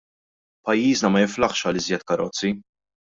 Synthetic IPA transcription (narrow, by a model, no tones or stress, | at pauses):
pɐjːiːznɐmɐjɪflɐχʃɐlɪzjɛt̪kɐɾɔt͡sːi